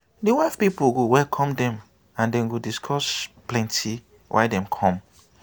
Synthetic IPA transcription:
diwaɪfpipuɡowɛlkʰɔ̃mdɛ̃m | ãndɛ̃nɡodiskʰɔsplɛ̃ntʰi | wʔa̰ɪdɛ̃mkʰɔ̃m

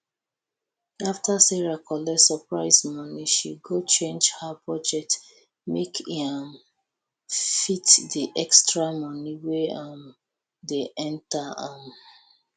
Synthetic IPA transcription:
aftasɛɹakʰɔlɛsəpɹaɪsmɔniʃḭɡot͡ʃẽnd͡ʒhabɔd͡ʒɛk̚t | mekʰam | fitdiʔɛkstɹamɔniweam | deʔɛ̃ntaam

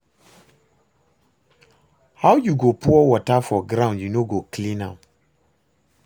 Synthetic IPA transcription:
hawjuɡopuɔwɔtafɔɡɾãʊ̃ndjunoɡoklĩnã

